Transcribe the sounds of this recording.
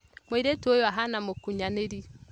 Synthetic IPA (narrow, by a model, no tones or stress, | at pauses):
mweiɾetojoaɦanamokuɲaneɾi